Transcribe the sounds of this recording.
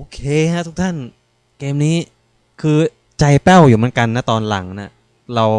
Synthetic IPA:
ʔʔoː˧kʰeː˧na˦˥ʔt̪ʰu˦˥k̚t̪ʰa˥˩n | keː˧mniː˦˥ | kʰɯː˧ | t͡ɕa˧jpɛ˥˩wjuː˨˩m˦˥˨nka˧nːa˦˥˩t̪ɔː˧nla̰˩˦ŋna˥˩ | ɾa˧w

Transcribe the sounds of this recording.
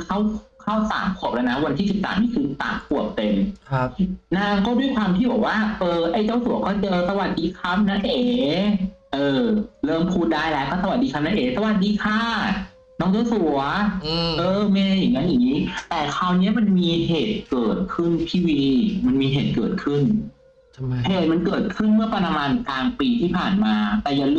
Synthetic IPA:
kʰa˥˩wkʰa˥˩wsa̰ː˨˩˦mkʰu˨˩p̚lɛ˦˥wna˦˥wa˧nt̪ʰiː˥˩si˨˩p̚sa̰ː˨˦mniː˦˥˩kʰɯː˧t̪a̰ː˨˩˦mku˨˩əp̚t̪e˧mʰ | naː˥˩ŋkɔː˥˩du˥˩əjkʰwaː˧mt̪ʰiː˥˩bɔː˨˩k̚waː˥˩ʔɤː˧˩ʔa˥˩jt͡ɕaː˥˩wsu˨˩˦ɐkɔː˥˩t͡ɕɤː˧sa˧wa˨˩t̪̚diː˧kʰa˦˥m̚na˥˩nʔeː˨˩˦ | ʔɤː˨˧˩lɤː˥˩mpʰuː˧˩t̪̚daː˥˩jlɛː˦˥kɔː˥˩sa˧wa˨˩diː˧kʰa˦˥mna˥nʔeː˨˩˦sa˧wa˨˩t̪̚diː˧kʰaː˥˩ | nɔː˦˥ŋt͡ɕa˥˩wsu˨˩ɐɐʔɤː˧mae˧˥˧a˧˩ja˨˩ŋːa˦˥jaː˨˩ŋːiː˦˥t̪ɛː˨˩kʰaː˧wni˦˥ɐma˧nmiː˧heː˨˩t̪̚kɤː˨˩t̪̚kʰɯ˥˩nt̪ʰiː˧˩wiː˧ma˧nmiː˧ɦeː˨˩t̪̚kɤː˨˩t̪̚kʰɯ˥˩n | heː˨˩t̪̚ma˧nkɤː˨˩t̪̚kʰɯ˥˩nmɯ˥˩ɐpa˧ɾa˧maː˧nkaː˧ŋpiː˧t̪ʰiː˥˩pʰaː˨˩nmaː˧t̪ɛː˨˩ja˨˩ŋ

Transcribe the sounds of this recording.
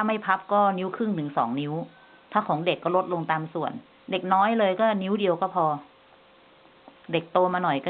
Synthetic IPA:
a˥˩ma˥˩jpʰa˦˥p̚kɔː˥˩ni˦˥wkʰɯ˥˩ŋt̪ʰɯ˩˦ŋsɔ̰ː˩˦ŋni˦˥w | t̪ʰaː˥˩kʰɔː˩˦ŋde˨˩kːɔː˥˩lo˦˥t̪̚lo˧ŋt̪aː˧msu˨˩ən | de˨˩k̚nɔː˦˥jlɤː˧jkɔː˥˩ni˦˥wdi˧əwkɔː˥˩pʰɔː˧ | de˨˩k̚t̪o˧maː˧nɔ˨˩jkɔː˥˩

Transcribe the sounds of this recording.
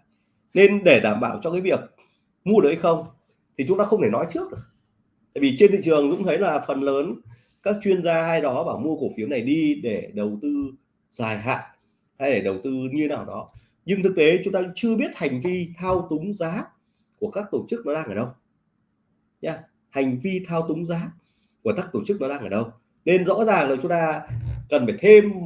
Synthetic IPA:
ne˧nɗe˧˩ɗaː˧˩mɓaː˧˩wt͡ɕɔ˧kaː˨˦jvi˨˩ək̚ | mu˧əɗɨ˨˩k̚ha˧xə˧wŋ͡m | t̪ʰi˨˩t͡ɕʊ˨˦ŋ͡mt̪aː˧xə˧wŋ͡mt̪ʰe˧˩nɔ˨˦jt͡ɕɨ˦˥ək̚ɗɨ˨˩ək̚ | t̪a̰ː˧˨jvi˨˩t͡ɕe˧nt̪ḭ˧˨ŋt͡ɕɨ˨˩əŋzʊ̰˧˥ŋ͡mt̪ʰə˨˦jlaː˨˩fə˨˩nləː˨˦n | kaː˦˥k̚t͡ɕwi˧ənzaː˧haː˧jɗɔ˨˦ɓaː˨˩mu˧əko˧˩fi˨˦əwna˨˩jɗi˧ɗe˧˩ɗə˨˩wt̪ɨ˧ | z̥aː˨˩jɦa̰ː˧˨n | ha˧jɗe˧˩ɗə˨˩wt̪ɨ˧ɲɨ˧naː˨˩wɗɔ˨˦ | ɲɨ˧ŋt̪ʰɨ˨˩k̚t̪e˨˦t͡ɕʊ˨˦ŋ͡mt̪aː˧t͡ɕɨ˧əɓi˦˥ət̚ha˨˩jŋ̟vi˧t̪ʰaː˧wt̪ʊ˨˦ŋ͡mzaː˨˦ | ku˧˩əkaː˦˥k̚t̪o˧˩t͡ɕɨ˦˥k̚nɔ˨˦ɗaː˧ŋʔaː˧˩ɗə˧w | ɲaː˧ | ha˨˩jŋ̟vi˧t̪ʰaː˧wt̪ʊ˨˦ŋ͡mzaː˨˦ | ku˧˩əkaː˦˥k̚t̪o˧˩t͡ɕɨ˦˥k̚nɔ˨˦ɗaː˧ŋʔaː˧˩ɗə˧w | ne˧nzɔ̰˧˥zaː˨˩ŋlaː˨˩t͡ɕʊ˨˦ŋ͡mt̪aː˧kə˨˩nfaː˩jt̪ʰe˧m

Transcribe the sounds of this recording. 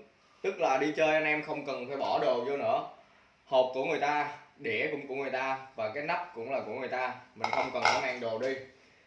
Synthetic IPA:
t̪ɨ˦˥k̚laː˨˩ɗi˧t͡ɕəː˧jʔa˧nʔɛ˧mxə˧wŋ͡mkə˨˩nfaː˧˩jɓɔ˧˩ɗo˨˩zo˧nɨ̰˧˥ə | hɔ˨˩p̚ku˧˩əŋɨ˨˩əjt̪aː˧ɗe˧˩kʊ̰˧˥ŋ͡mku˧˩əŋɨ˨˩jt̪aː˧vaː˨˩kaː˨˦jna˦˥p̚kʊ̰˧˥ŋ͡mlaː˨˩ku˧˩əŋɨ˨˩əjt̪aː˧mï˨˩ŋ̟xə˧wŋ͡mkə˨˩nkɔ˨˦ŋaː˨˩ŋɗo˨˩ɗi˧

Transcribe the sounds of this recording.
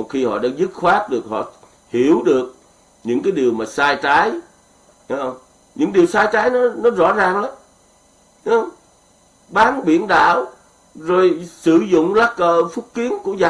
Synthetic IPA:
mo˨˩xi˧hɔ̰˧˨ɗa̰ː˧˥ŋzɨ˦˥t̚xwaː˦˥k̚ɗɨ˨˩ək̚hɔ̰˧˨ | hi˧˩əwɗɨ˨˩ək̚ | ɲɨ̰˧˥ŋkaː˨˦jɗi˨˩əwmaː˨˩saː˧jt͡ɕaː˨˦j | w | ɲɨ̰˧˥ŋɗi˨˩əwsaː˧jt͡ɕaː˨˦jnɔ˨˦nɔ˨˦zɔ̰˧˥zaː˨˩ŋla˨˦m˨˧˦ | wŋ͡m | ɓaː˨˦nɓḭ˧˩ənɗa̰ː˧˨w | zo˨˩jsɨ̰˧˩zʊ̰˧˨ŋ͡mlaː˦˥kkəː˨˩fʊ˦˥k͡p̚ki˨˦ənku˧˩əzaː˨

